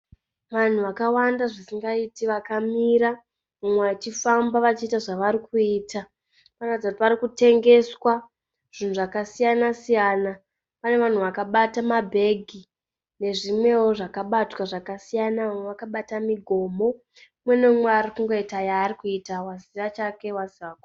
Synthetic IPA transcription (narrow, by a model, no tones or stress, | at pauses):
ʋan̤uʋakawandaʐisiŋɡaitiʋakamiɾa | mumweat͡ʃifambaʋat͡ʃiːtaʐaʋaɾikuiːtʰa | panad͡zautipaɾikute̞ŋɡe̞swa | ʐ̥in̤uʐakasijanasijaːna | pane̞ʋan̤uʋakaɓatamabʱe̞ɡʱi | ne̞ʐimwe̞wo̞ʐakaɓatwaʐakasijanaʋamweʋakaɓatamiɡʱo̞ːmo̞ | mwe̞nemweaɾikuŋɡo̞itajaːɾikuitawaziʋat͡ʃake̞waziʋako